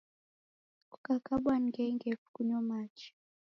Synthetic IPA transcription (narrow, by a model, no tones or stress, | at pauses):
ku̥kakaɓwaniɡɛŋɡɛfu̥kuɲɔmat͡ʃi̥